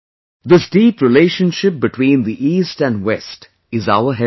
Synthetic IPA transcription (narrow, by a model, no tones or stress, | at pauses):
d̪ɪsɖiːpɾɪleːʃə̃nʃɪp̚bɨʈʰwĩːnd̪iʔiːsʈæ̃nwɛsʈ | ɪzaʊəɦɛ